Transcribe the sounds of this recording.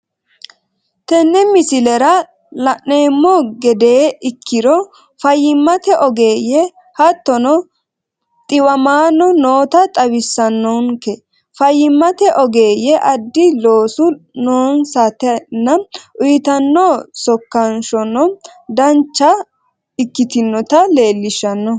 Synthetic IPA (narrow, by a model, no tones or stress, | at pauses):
t̪ɛnːɛmɪsɪlɛɾɐ | lɐʔːe̞ːmːɔɡɛd̪e̞ːɪkʰːɪɾɔ | fɐjːɪmːɐt̪ɛʔɔɡe̞ːjɛ | hɐt̪ːɔnɔ | t̪ʼɪwɐmaːnɔnoːt̪ɐt̪ʼɐwɪsːɐnːɔŋkɛ | fɐjːɪmːɐt̪ɛʔɔɡe̞ːjɛʔɐd̪ːɪlo̞ːsʊnoːnsɐt̪ɛnːɐʔʊjɪt̪ɐnːɔsɔkːɐnʃɔnɔd̪ɐnt͡ʃːɐ | ɪkːɪt̪ɪnːɔt̪ɐle̞ːlːɪʃɐnːɔ